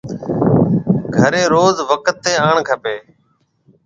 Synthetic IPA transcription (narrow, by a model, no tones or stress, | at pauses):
ɡʱəɾeːɾoːzʋəkət̪ːeːaːɳkʰəpeː